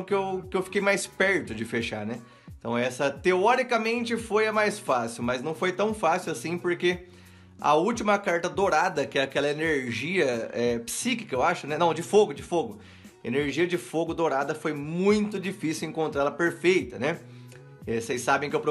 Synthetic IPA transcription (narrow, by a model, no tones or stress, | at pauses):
kɪewkɪewfi̥kejmajspɛɾt̪ʊd͡ʒɪfeʃa̰ɾnɛ | ẽt̪ɐ̃w̃ɛsɐt̪eɔɾikɐmẽnt͡ʃɪfojɐmajsfasiwmɐznɐ̃w̃fojt̪ɐ̃w̃fasiwasĩpoɾke | ɐ̰uwt͡ʃimɐkaɾt̪ɐd̪oɾad̪ɐkɪɛakɛlɐeneɾʒiɐɛpsiki̥kɐewaʃʊnɛnɐ̃w̃d͡ʒɪfoɡʊd͡ʒɪfoɡʊ | ḛneɾʒiɐd͡ʒɪfoɡʊd̪oɾad̪ɐfojmũj̃t̪ʊd͡ʒifisiwẽŋkõnt̪ɾaɛlɐpeɾfejt̪ɐnɛ | ɛsejssabẽkɪewpɾo